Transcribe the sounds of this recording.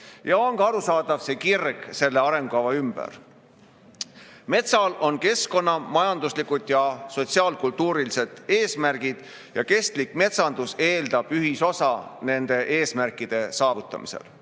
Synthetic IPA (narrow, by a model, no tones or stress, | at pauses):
jɑo̞ŋɡɑɾusɑːd̪ɑv̥se̞kirɡ̥se̞lːeɑɾe̞ŋɡ̥oɑvɑymb̥æ̰ɾ | me̞t̪sɑlo̞nke̞sko̞nːɑmɑjɑnd̪uslikːud̪̥jɑso̞t̪siɑːlkult̪ːˑuːɾilise̞d̪̥e̞ːsmærɡ̥id̪̥ | jɑke̞st̪likme̞t̪sɑnd̪̥use̞ːld̪̥ɑb̥yɦiso̞sɑne̞nd̪̥e̞ʔe̞ːsmærkːˑid̪̥e̞sɑːvut̪ˑːɑ̰mḭse̞̰l